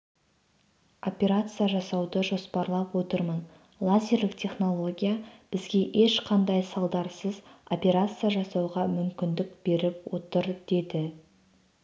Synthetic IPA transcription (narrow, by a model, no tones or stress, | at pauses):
o̞pʲe̞ɾat̪sɨjaʒɑsɑwd̪əʒo̞spɑɾlˠɑpwo̞t̪əɾmən | lˠazʲe̞ɾlɪkt̪ʲʰe̞χno̞lˠo̞ɡʲijab̥ɪzɡʲe̞ʔe̞ʃqʰɑnd̪ɑjsɑlˠd̪ɑɾsəzo̞pʲe̞ɾat̪sɨjaʒɑsɑwʁɑmʏmkʲɪnd̪ɪk̚b̥e̞ɾɪp̚wo̞t̪əɾd̪̥e̞d̪ɪ